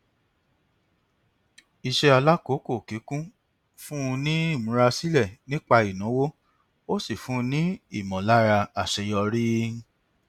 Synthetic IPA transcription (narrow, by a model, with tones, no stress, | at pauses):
i˨ʃɛ˧a˧la˦ko˨˦ko˦˨ki˨˦kũ˦ | fũ˦˧nĩ˦i˦˨mũ˨˦ɾa˧si˦lɛ˦˨nĩ˦k͡pa˧i˨nɔ̃˨˦wo˦ | o˦si˦˨fũ˦˧nĩ˦i˦˨mɔ̃˨la˦ɾa˧a˨ʃɛ˧jɔ˧ɾi˦